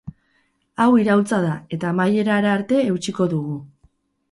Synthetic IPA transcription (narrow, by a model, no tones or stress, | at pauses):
awiɾawlt͡sað̞ae̞t̪aːmaje̞ɾaɾaːɾt̪e̞ːwt͡ʃiko̞ðuɣu